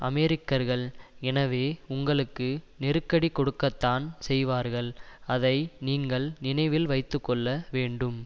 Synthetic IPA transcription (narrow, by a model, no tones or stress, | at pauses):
ʔɐmɛɾɪkːɐɾɣɐɭɛnɐʋeːʊŋɡɐɭɯkːɯnɛɾɯkːɐɽikːɔɽɯkːɐt̪ːaːnsɛjʋaːɾɣɐɭɐðɐɪniːŋɡɐɭnɪnɐɪʋɪlʋɐɪt̪ːɯkːɔɭːɐʋeːɳɖɯm